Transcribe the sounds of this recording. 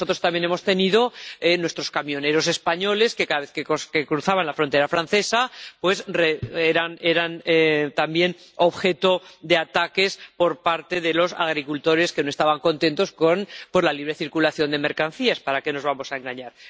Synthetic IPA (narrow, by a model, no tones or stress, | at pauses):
o̞t̪ɾot̪ambjene̞mo̞st̪e̞niðo̞enwe̞st̪ɾo̞skamjo̞ne̞ɾo̞s̬e̞spaɲo̞le̞ske̞kaðaβe̞θkekokekɾuθaβanlafɾont̪e̞ɾafɾan̟θe̞sapwe̞sreeɾaneɾanet̪ambje̞noβxe̞t̪o̞d̪e̞at̪ake̞spo̞ɾpaɾt̪e̞ðe̞lo̞sa̰ɣ̞ɾikult̪o̞ɾe̞ske̞noest̪aβaŋko̞nt̪e̞nt̪o̞sko̞npwe̞zlaliβ̞ɾe̞θiɾkulaθjo̞nd̪e̞me̞ɾkan̟θiaspaɾake̞no̞zβamo̞saeŋɡaɲaɾ